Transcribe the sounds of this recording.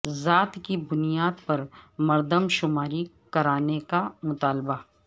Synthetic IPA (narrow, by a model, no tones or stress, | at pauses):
zaːt̪kibʊnijaːd̪pɐɾmɐɾd̪əmʃʊmaːɾi | kɐɾaːnekamʊt̪aːlba